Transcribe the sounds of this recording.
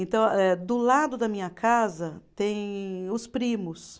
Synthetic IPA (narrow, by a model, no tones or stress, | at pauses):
ẽnt̪ɐ̃w̃ɛd̪ʊlad̪ʊd̪ɐmĩɲɐkazɐt̪ẽj̃ʊspɾimʊs